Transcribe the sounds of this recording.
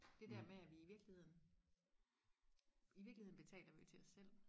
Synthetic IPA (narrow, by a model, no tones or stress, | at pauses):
d̥e̝d̥æɐmeæʋiiʋiɐɡ̥lihe̝ð̰ˠn̩ | iʋiɐɡlie̝ðˠn̩b̥e̝t͡sʰɛ̰ːlɐʋijo̝t͡sʰe̝ɒ̽sːel̰